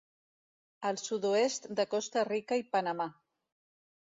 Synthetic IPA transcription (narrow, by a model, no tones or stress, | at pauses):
əlˠsuðoest̪d̪əkɔst̪ərikəipənəma